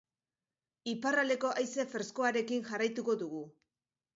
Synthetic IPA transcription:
iparald̪e̞ko̞ʔajse̞feɾsko̞aɾe̞kinʝarajt̪uko̞ðuɣ̞u

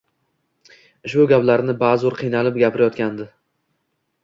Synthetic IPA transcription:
ɪʃbʊɡʲaplaɾnɪbazʊɾqʰɨjnalɪpɡʲapʰɪɾajɒt̪kʲand̪ɪ

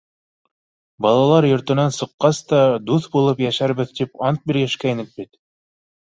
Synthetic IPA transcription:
bɑlˠɑlˠɑɾjŏɾt̪ɤ̆nɑnsɤ̆qːɑst̪ɑd̪uθbulˠɤpjæʃæɾβɘðt̪ipɑnt̪̚biɾjæʃkæjnɘk̚bit̪

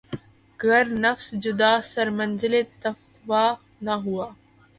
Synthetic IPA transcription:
ɡʱɐɾnɐfsd͡ʒʊd̪asɐɾmə̃nzɪlet̪ɐ | ʋa | naɦuaː

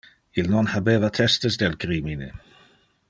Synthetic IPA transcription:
ilnɔnhabeːvat̪ʰɛstəsdɛlkʰɾiminɪ

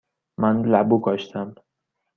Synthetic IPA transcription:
mænlæbuɡɒʃt̪ʰæm

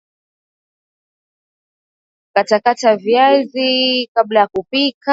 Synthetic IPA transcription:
katakataviazikablajakupika

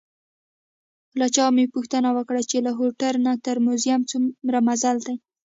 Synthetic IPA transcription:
lat͡ʃɑmepuxt̪ənawəkɽat͡ʃelaɦoʈalnat̪əɾmʊzjamt͡sumɾamazald̪aj

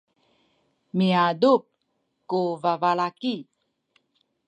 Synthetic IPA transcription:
miadup̚ | kuvavalaki

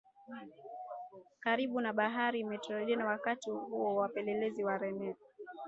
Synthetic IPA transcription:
kaɾiɓunaɓaɦaɾiːmɛtɔlɔʄianawakatihuɔwapɛlɛlɛziwaɾɛnɛ

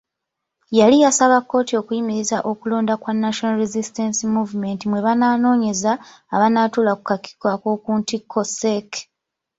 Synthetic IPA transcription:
jalijasaβakːo̞ːtio̞kujimiɾizaʔo̞kulo̞ːndakwanːaʃonaɾezistensimuːvume̞ntimwe̞βanaːno̞ːɲe̞zaː | βanaːtulakukakːi̥kwako̞ːkuːntikʰːo̞sek

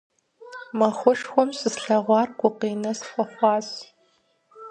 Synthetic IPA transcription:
mɐxʷʊʂxʷɔmsɨzɬɐʁʷɑːrɡʷʊqiːnɐsxʷɔxʷɑːz

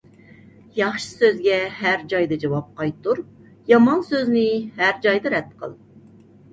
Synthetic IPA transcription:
jɑχʃɨ̥søzɡʲɛɦæɾd͡ʒɑjd̪ɨd͡ʒɑwɑp̚qɑjt̪uɾ | jɑmɑnsøznɪhæɾd͡ʒɑjd̪ɨɾɛt̪̚qʰə̰lˠ

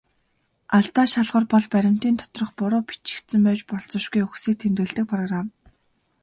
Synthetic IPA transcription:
aɮt̪aːʃaɮʁə̆rpɔɮpæɾʲɪ̆m̥t̪iːnt̪ʰɔ̥t̪rɞ̆χpʊɾʊːpi̥t͡ɕɪ̥̆kt̪sɘ̆mpæːt͡ɕpɔɮt͡sɞ̆ʃɡujuxsiːk̚t̪ʰemt̪ɘ̆ɮt̪ɘ̆k̚pʰrɔɣram

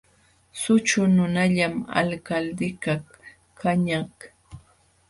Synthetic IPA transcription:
sʊt͡ʃʊnʊnaʎama̰lkald̪ɪkaχ | kʰaɲah

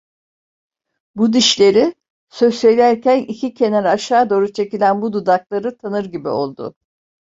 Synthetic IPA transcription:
bud̪iʃlʲe̞ɾi | søsejlʲæɾcʰænicʰicʰe̞næɾaʃaːd̪o̞ːɾut͡ʃʰe̞cilʲænbud̪ud̪aklˠaɾɯt̪ʰanɯɾɟibḭo̞̰lˠd̪ʊ̰

